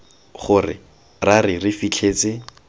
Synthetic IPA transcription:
χʊrɪ̰ | rarɪrɪfit͡ɬʰeːt͡sɪ

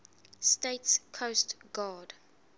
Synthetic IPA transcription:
steɪtskʰostɡ̥aːd̥

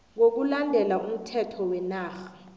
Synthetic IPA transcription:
ŋok̬ulandʱɛlaʔum̩tʰɛtʰɔwɛnaːxḁ

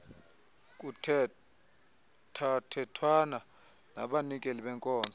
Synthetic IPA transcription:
k̬ʼu | tʰatʰɛtʰwana | na̰ɓanikʼeliɓɛŋkʼɔːnd͡zʱʼɔ

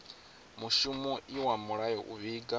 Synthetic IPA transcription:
muʃumuiwamuɺajɔʔṵβiɡa

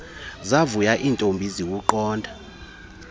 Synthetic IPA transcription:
zavujaʔiːntʼombʱizik̬uǃɔːndʱa

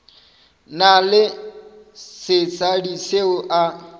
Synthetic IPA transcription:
nalɪ | sɪt͡sʼadiseʊʔa

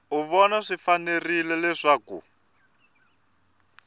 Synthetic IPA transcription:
uβɔnaʂifanerilɛlɛʂaːkṵ

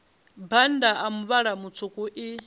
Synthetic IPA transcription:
bandaʔamuβaɺamut͡sʰukʼuʔi

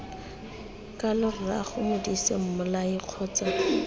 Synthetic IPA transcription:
kʼalɪrra̰χʊmɪdisḛm̩mʊlaiq͡χʰɔːt͡sa

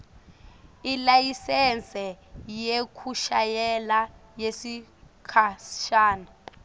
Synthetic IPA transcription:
ilajisɛnt͡sʼɛjekʰuʃajɛlajesikʰaʃaːna

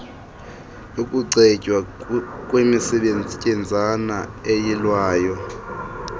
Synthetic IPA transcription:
ukʼuǀɛcʼwakʼwemisɛɓend͡zʱicʼɛnd͡zʱanaejilwaːjɔ

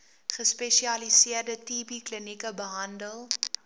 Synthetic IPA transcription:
χəspɛʃiɐlisiərdətipiklənikəbəɦɐndəlˠ

